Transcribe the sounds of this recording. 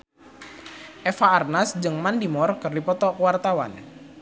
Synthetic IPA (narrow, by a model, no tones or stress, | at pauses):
ʔɛfaːrnasd͡ʒɨŋmandimɔrkɨrdipɔt̪ɔkwart̪awa̰n